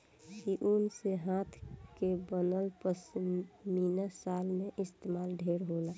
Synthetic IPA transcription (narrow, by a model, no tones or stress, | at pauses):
kiʔunseɦãt̪ʰkebənəlpəsminasalmeʔɪst̪emaːlɖʱeɾɦola